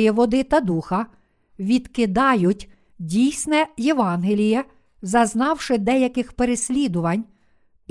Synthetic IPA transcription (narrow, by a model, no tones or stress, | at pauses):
jɛʋɔd̪ɪt̪ɐd̪uxɐ | ʋʲid̪kɪd̪ɑjʊtʲ | dʲijsʲnɛjeʋɑnɦelʲijɛ | zɐznɑwʃɪd̪ɛjɐkɪxpeɾesʲlʲid̪ʊʋɐnʲ